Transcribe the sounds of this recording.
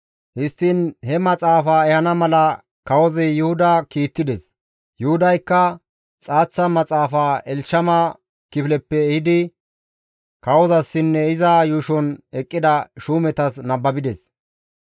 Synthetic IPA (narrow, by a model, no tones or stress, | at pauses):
hɪst̪ːɪnhɛmɐt͡sʼaːfaːɛhɐnɐmɐlɐ | kɐwɔzɛjʊhʊd̪ɐkiːt̪ːɪd̪ɛs | jʊhʊd̪ɐjkːɐ | t͡sʼaːt͡sːɐmɐt͡sʼaːfaːɛlʃɐmɐ | kɪfɪlɛpːɛːhɪd̪ɪ | kɐwɔzɐsːɪnːɛɪzaːjʊʃɔnɛkʼːɪd̪ɐʃuːmɛt̪ɐsnɐbːɐbɪd̪ɛs